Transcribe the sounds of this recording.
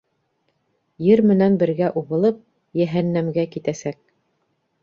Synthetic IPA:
jɘɾmɘ̆nænbɘ̆ɾɡæʔuβɤ̆lˠɤp̚ | jæɦænːæmɡækit̪æsæk̚

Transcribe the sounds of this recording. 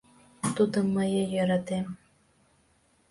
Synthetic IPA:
t̪ud̪ɤ̆mɤ̆jɤ̆jɤ̆ɾɑt̪em

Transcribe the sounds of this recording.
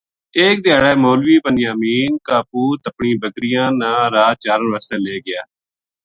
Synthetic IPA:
eːk̚d̪ɪjaːɽɛːmoːlʋiːpənjãːmiːnkaːpuːt̪əpɳiːbəɡɾɪjãːnãːɾaːt͡ʃaːɾəʋəːst̪eːleːɡɪaː

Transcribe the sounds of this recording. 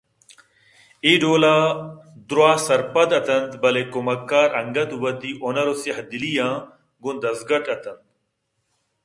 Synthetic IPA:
iːɖoːlaːd̪ɾwaːsɐɾpɐd̪ɐt̪ɐnd̪bɐlekomɐkːaːɾɐŋɡɐt̪wɐd̪iːʔonɐɾosiɦɐd̪ilijãː | ɡʊnd̪ɐzɡɐʈɐt̪ɐnd̪̚

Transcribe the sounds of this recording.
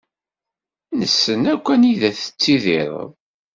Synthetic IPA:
nəsːənækʷːæniðæθə̥t͡sːiðɪɾ̰ˤ

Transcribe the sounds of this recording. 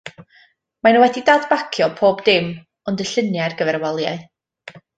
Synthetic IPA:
manuwɛdidaːdbakʰjɔpʰoːbdɪm | ɔndəɬɪnjarɡəvɛrwɔlˠjaɨ

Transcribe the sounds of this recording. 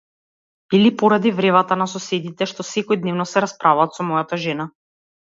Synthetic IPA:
ilipɔɾad̪ivɾɛvat̪anasɔsɛd̪it̪ɛʃt̪ɔsɛkɔjd̪nɛvnɔsɛɾaspɾavaːt̪sɔmɔjat̪aʒɛna

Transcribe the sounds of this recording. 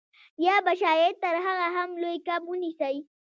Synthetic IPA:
jaːbaʃaːjet̪aɾɦaɣaɦamlojkabʊnisaj

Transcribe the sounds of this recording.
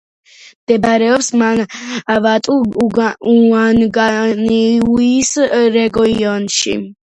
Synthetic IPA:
md̪̥ɛbaɾɛɔpsmanavat̪ʼu | uanɡaniuisɾɛɡɔiɔnʃḭ

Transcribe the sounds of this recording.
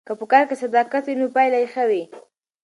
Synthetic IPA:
kəpəkɑɾkesad̪ɑkat̪winopajlajexawi

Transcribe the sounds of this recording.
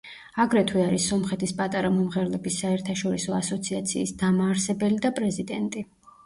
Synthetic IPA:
aɡɾɛt̪ʰwiaɾisɔmχɛt̪ʰispʼat̪ʼaɾamɔmʁɛɾlɛbisːaɛɾt̪ʰaʃɔɾisɔasɔt̪sʰiat̪sʰiːsd̪amaːɾsɛbɛlid̪apʼɾɛzid̪ɛnt̪ʼi

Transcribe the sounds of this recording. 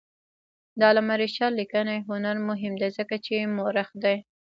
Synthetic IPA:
d̪ɑlamaɾiʃɑlːikənajɦʊnaɾmʊɦɪmd̪ajzəkat͡ʃemoɾaxd̪aj

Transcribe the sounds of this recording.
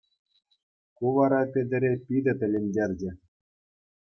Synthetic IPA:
kuʋɑɾɑpʲĕdʲɘ̆ɾʲepʲid̪ʲɘ̆t̪ʲɘ̆lʲenʲdʲerʲd͡ʑɘ̆

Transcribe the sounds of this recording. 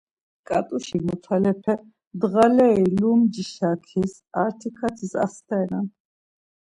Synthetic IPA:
kʼat̪ʼuʃimɔt̪ʰalɛpʰɛ | d̪ʁalɛilumd͡ʒiʃakʰis | aɾt̪ʰikʰat̪ʰisa̰st̪ʰɛɾan

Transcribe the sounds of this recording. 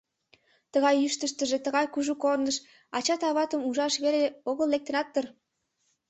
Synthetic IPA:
t̪əɣɑjyʃt̪əʃt̪əʒet̪əɣɑjkuʒukornəʃ | ɑt͡ɕɑt̪ɑβɑt̪əmuʒɑʃβeleoɣəlːek̚t̪ə̆nɑt̪ːər

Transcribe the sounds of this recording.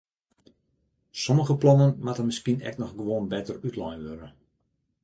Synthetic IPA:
soməɣəplɔnənmatərmɪskiənɛ̰knɔxɡəʋoːnbɛtərytlɔjʋøɾə

